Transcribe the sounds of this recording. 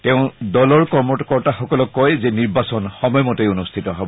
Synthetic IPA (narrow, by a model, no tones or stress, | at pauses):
teʊ̃dɔlɔɹkɔmɔkɔɹtaxɔkɔlɔkːɔjzɛniɹbasɔnxɔmɔjɔmɔtejunustʰitɔɦɔbɔ